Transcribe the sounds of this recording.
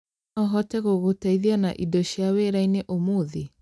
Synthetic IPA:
ɔɦɔtɛɣoɣotaiðiana̰ʔidoɕjaweɾaineʔomuði

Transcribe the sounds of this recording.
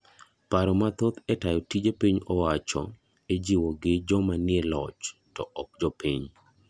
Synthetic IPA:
paɾɔmat̪ot̪ɛtajɔtid͡ʒepiɲɔwat͡ʃɔ̰ | ed͡ʒiwɔɡɪd͡ʒɔmanɪelɔt͡ʃtɔʔɔk̚d͡ʒɔpiɲ

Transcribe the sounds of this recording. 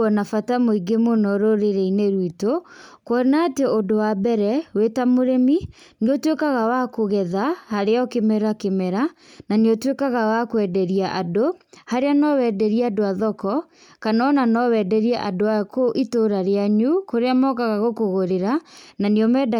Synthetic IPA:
ɔnafatamoiɡemonɔɾoɾeɾeineɾwitokwɔɾnaːteodowabɛɾɛwetamoɾemi | niotwekaɣawakoɣɛðahaɾeɔkemɛɾakemɛɾa | naniotwekaɣawakwɛdɛɾiaʔadohaɾeanɔwɛdɛɾiɛadoaðɔkɔ | kanaɔnanɔwɛdɛɾiɛʔadoakoʔitoɾaɾeaɲukoɾeamɔkaɣaɣokoɣoɾeɾananiɔmɛda

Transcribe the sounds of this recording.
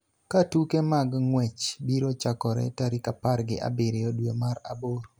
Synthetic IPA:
katukemaɡŋwɛt͡ʃbiɾot͡ʃakɔɾɛ̰taɾikaparɡɪʔa̰bɪɾɪjɔdwemaɾaboɾ

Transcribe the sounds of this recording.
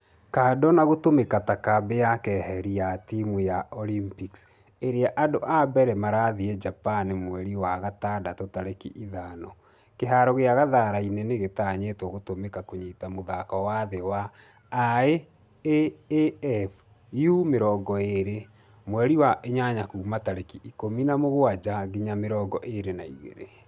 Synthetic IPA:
kaːdɔnaɣotomekatakabejakɛhɛɾiatimujaʔɔlimpiks | eɾeaʔadoʔabɛɾɛmaɾaðiɛd͡ʒapanemwɛɾiwaɣatadatotaɾekḭʔiðanɔ | keɦaːɾɔɣeaɣaðaːɾainɛneɣetaɲetoɣotomekakoɲeːtamoðakɔwaðewaː | e | e | ɛf | jumeɾɔːɡɔeɾe | mwɛɾiwaʔeɲaɲakuːmataɾekiʔikominamoɣwad͡ʒaɡiɲameɾɔːɡɔʔeɾenaiɣḛɾe

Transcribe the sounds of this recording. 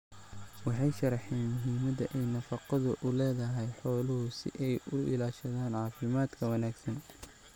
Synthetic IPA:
wɑħɑjʃɐɾˤħɛːnmʊɦiːmɐðɐʔɛjnɐfɑqɑðʊʔʊlɛːðɐɦɛjħɔːlʊɦʊsɪ̰ʔɛjʊɪlaːʃɐðaːnʕɑːfɪmaːd̪kʰɐwɐnaːɡsɐn

